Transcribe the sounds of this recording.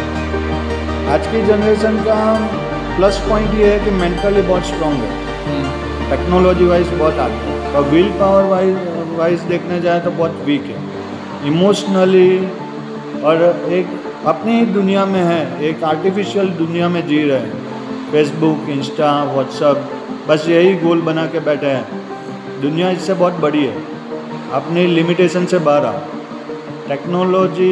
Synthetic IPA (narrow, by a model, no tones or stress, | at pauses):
aːd͡ʒkid͡ʒənɾeːʃənka | plɐspɔ̃ːɪ̃ɳʈjeɦɛkimẽːɳʈəlibɔːt̪sʈɾɔ̃ːŋɡɦɛ̰ː | ʈɛːknɔːlɔːd͡ʒiʋaːɪsbɔɦt̪aːt̪iɛ̃ɔɾʋiːlpaːʋəɾʋaʋaːɪsd̪eːkʰned͡ʒaːet̪obɔːt̪ʋiːkɦɛ̰ː | ɪmoːʃnəli | ɔːɾeːk | ɐpneɦid̪ʊnijamẽɦɛ̃eːkaːɾʈifɪʃijəld̪ʊnijamẽd͡ʒiːɾɐɦẽɦɛ̃ | feːs̬bʊkɪ̃nsʈaʋɔːʈsəp̚ | bɐsjɐɦiɡoːlbɐnakebɛːʈʰeɦɛ̃ː | d̪ʊnijaɪsːebɔːt̪̚bɐɽiɦɛ̰ː | ɐpnelɪmɪʈeːʃənsebaːɾa̰ː | ʈɛːknoːlɔːd͡ʒi